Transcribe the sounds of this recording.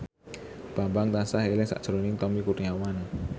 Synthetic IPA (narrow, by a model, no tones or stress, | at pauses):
b̥ambaŋt̪ansahelɪŋsa̰ʔʒ̥əɾonɪŋt̪ɔmikurniawana